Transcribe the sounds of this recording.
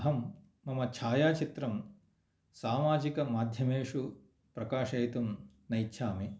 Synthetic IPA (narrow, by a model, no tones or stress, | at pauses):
ɦɐmː | ɐmɐt͡ʃʰaːjaːt͡ʃit̪ɾɐm | saːmaːd͡ʒikɐmaːd̪ʱjɐmeːʂu | pɾɐkaːʂɐjt̪um | nɐjtːʃʰaːmi